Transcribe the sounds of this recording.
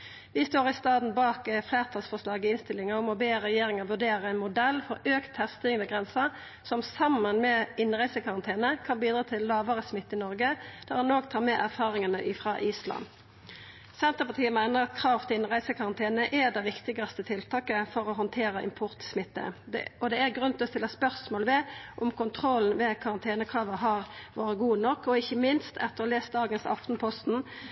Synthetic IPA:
ʋɪst̪oːʁɪst̪ɑːd̪n̩bɑːkflæːʁt̪ʰɑlsfɔʁʂlɑːɡəɪnst̪ɪlːɪŋəɔmɔbeːʁɛjeːʁɪŋəʋʉɖ̪eːʁəɛɪnmʊd̪ɛlːfɔɾøːkt̪ʰhæʁst̪ɪŋnəɡʁɛnsə | sɔmsɑmːənmɛɪnʁæɪsəkʰɑʁɑnt̪ʰeːnəkʰɑnbiːd̪ʁɑːt̪ʰɪlːɑːʋəʁəsmɪt̪ːɪnɔʁɡəd̪̥æʁhɑnoːɡt̪ʰɑːmɛʔæʁfɑːʁɪŋənəʔɪfʁɑʔiːslɑ̰n | sɛnt̪əʁpɑʁt̪ʰiːəmæɪnəʁɑt̪kʰɾɑːʋt̪ʰɪɪnʁæɪsəkʰɑʁɑnt̪ʰeːnəʔɛd̪ɛʋɪkt̪ɪɡɑst̪ət̪ʰɪlt̪ʰɑːkəfɔʁɔɦɔnt̪ʰeːʁəʔɪ̰mpʰʊʁt̪smɪt̪ːə̰ɔd̪ɛæʁɡʁʉnt̪ʰɔst̪ɪlːɑspœʁsmoːləmɛʔʊmkʊnt̪ʰʁɔln̩ʋɛkʰɑʁɑnt̪ʰeːnəkʰʁɑːʋəɦɑːʁʋoːʁəɡuːnɔkːɔɪçːəmɪnst̪ʰɛt̪ːəʁɔleːsd̪ɑːɡənsɑ̰ft̪n̩pʰɔst̪n̩

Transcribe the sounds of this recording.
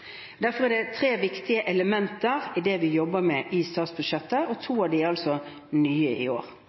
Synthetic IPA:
d̪æɾfɔɾɛd̪ɛt̪ʰɾeːʋɪkt̪ɪəʔɛləmɛnt̪əɾɪd̪ɛʋɪjɔbːəmɛʔist̪ɑːt̪sbʉd̪ʃɛt̪ːəɔt̪ʰuːɑʋd̪ɪɑlsɔ | nyːəɪ̰o̰ːɾ

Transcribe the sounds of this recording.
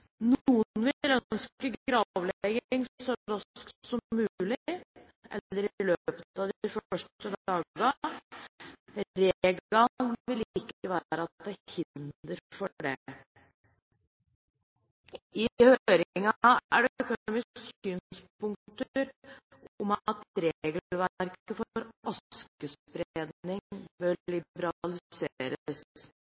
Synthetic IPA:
nuːənnʋɪlœnskəɡɾɑːʋlɛɡɪŋsɔɾɑksɔmmːʉːlɪ | ʔɛ̰lːəɾløpət̪ɑd̪ɪfœœʂəd̪ɑːɡɡ̪ɑ | ɾeɡɑʋɪlɪkːəʋæːɾəɑt̪̚d̪æhɪnd̪əɾfɔɖɛ̰ | ɪhøːɾɪŋɑæɖɛœkʊuːmɪsksyːnspʊŋkt̪ɾ | ʊmt̪ɾeɡəlʋæɾkəfɔɾʔɑskəspɾed̪nɪŋbœlɪbəɾɑlɪseːɾəs

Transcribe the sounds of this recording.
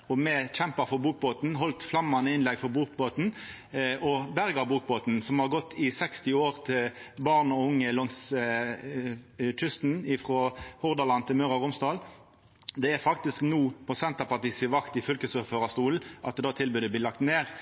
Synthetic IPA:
ɔmɛçɛmpɑfɔbuːk̚boːt̪n̩ɦɔlt̪flɑmːɑnəɪnlɛɡfɔʁbuːkboːt̪n̩ | ɔbæʁɡɑbuːk̚boːt̪n̩sɔmhɑʁɡɔt̪ʰːɪsɛkst̪ɪoːʁt̪ʰɪlbɑʁnɔʊŋːəlɔŋs | c͡çʏst̪n̩ɪfʁɔhʊʁd̪ɑlɑnt̪ɪlmœʁɑʁʊmst̪ɑːl | d̪ɛæʁfɑk̚t̪ɪsknuːpʰɔsɛnt̪ɑpɑʁt̪iːsɪʋɑkt̪ɪfœlkəsøføːʁɑst̪uːln̩ʔɑt̪̚d̪ɛd̪ɑːt̪ʰɪlbʉːd̪ɛb̪liːlɑk̚t̪neːʁ

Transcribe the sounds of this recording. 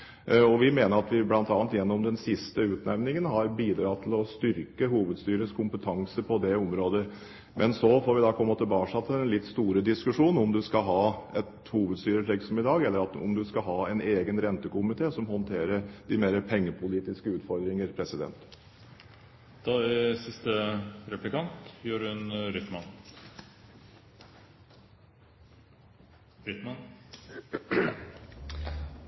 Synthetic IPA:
ɔʋɪmeːnəɾɑt̪ʋɪblɑnt̪ɑːɑnt̪jɛnːɔmd̪ɛnsɪst̪əʉːt̪næʋnɪŋənɦɑɾbiːd̪ɾɑːt̪ʰɪlɔst̪ʏɾkəɦuːʋəd̪st̪yːɾəskʰʊmpət̪ʰɑŋsəpʰɔd̪ɛɔmɾoːd̪ə | mʔɛnsɔfɔɾʋɪd̪ɑpʰɔmːət̪ɪlbɑːʂɑt̪ʰɪɛnlɪt̪ːst̪uːɾəd̪ɪskʉʂuːnɔmd̪ʉskɑɦɑːɛt̪ | huːʋəd̪st̪yːɾəʈ̪ʰɛksɔmɪd̪ɑːɡɛlːəɾɑt̪ɔ̰md̪ʉskɑɦɑːɛneːɡənɾɛnt̪əkʊmɪt̪ʰeːsɔmhɔnt̪ʰeːɾəɾd̪ɪmeːɾəpʰɛŋːəpʰʊliːt̪ɪskəʉːt̪fɔɾd̪ɾɪŋəɾpʰɾɛsɪd̪ɛ̰nt̪ | d̪̥ɑsɪst̪əɾɛplɪkɑnt̪jʉːɾʉnɾʏt̪mɑn | fɾɪt̪mɑn

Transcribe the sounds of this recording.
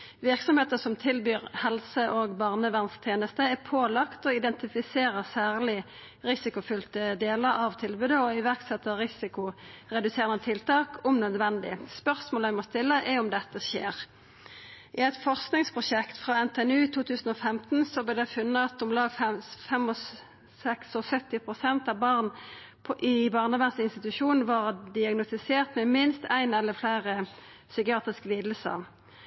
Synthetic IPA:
ʋɪʁksɔmheːt̪əsɔmt̪ʰɪlbyːʁhɛlsəʔoːɡbɑʁnəʋæʁnst̪ʰjeːnəst̪əɛpʰoːlɑkt̪ɔɪd̪ɛnt̪ɪfɪseːʁəsæːʁlɪ | ʁɪsɪkʊfʏlt̪əd̪eːləɾɑʋt̪ʰɪlbʉd̪əɔɪʋæʁksɛt̪ːəʁɪsɪkʊʁɛd̪ʉseːʁənət̪ʰɪlt̪ɑːkʰʊmnœd̪ʋɛnd̪ɪ̰spœʁsmoːlæɪmɔst̪ɪlːəʔɛɾʊmd̪ɛt̪ːəʃḛːʁ | ʔɪɛt̪fɔʁsknɪŋspʰʁʊʂɛkt̪fʁɑːɛnt̪ʰeɛnʉːt̪ʰuːt̪ʰʉːsn̩ɔːfɛmt̪nsɔblɪd̪ɛfʉnːəɑt̪ʊmlɑːɡfɛfɛmɔ | sɛksɔsœt̪ːɪpʰʁʊsɛnt̪ɑʋbɑʁn | pʰʔɪbɑːʁnəʋæʁsɪnst̪ɪt̪ʉʃuːn̩ʋɑːʁd̪ɪɑɡnʊst̪ɪseːʁt̪mɛmɪnst̪æɪnɛlːəflæɪʁə | sʏkɪɑːt̪ʁɪskəliːd̪lsə̰ʁ

